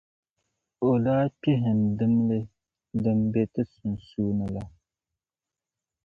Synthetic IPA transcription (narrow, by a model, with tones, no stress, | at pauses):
o˨laː˦pi˦ɦɪ˨ndɨ˦mlɨ˦ | dɨ˨mbe˨tɨ˦su˨nsuː˦nɨ˨la˨